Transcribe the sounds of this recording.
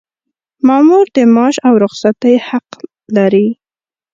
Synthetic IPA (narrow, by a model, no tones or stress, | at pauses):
mɑmuɾd̪əmɑʃawɾʊxsat̪əjhaq | laɾi